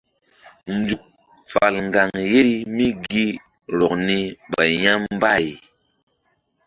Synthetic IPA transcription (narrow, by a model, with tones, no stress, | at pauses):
n̩˨˦d͡zu˨k̚ | fa˨lŋ̩˨ɡa˨ŋje˦ɾi˦mi˦ɡi˦ | ɾɔ˨k̚ni˦ba˨ɲa˦m˦ba˦˨j